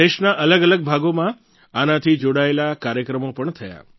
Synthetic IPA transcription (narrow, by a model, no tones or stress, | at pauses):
eʃnaʔələɡələɡ̚bʱaɡomã | anat̪ʰid͡ʒoɽaelakaɾjəkɾəmopəɳt̪ʰəja̰